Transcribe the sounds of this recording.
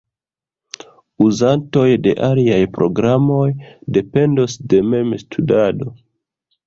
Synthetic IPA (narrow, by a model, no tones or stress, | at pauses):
uzanto̞jde̞ʔaliajpɾo̞̰ɡɾamo̞jde̞pe̞ndo̞sde̞me̞mstʰudado̞